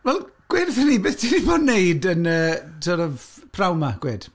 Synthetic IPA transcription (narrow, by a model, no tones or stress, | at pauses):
vɛlˠɡ̥wɪrθəniːbeːθd̥ʰiniboːdnejdənəːtʰɔɾəvpʰrawmaɡ̥weːd̥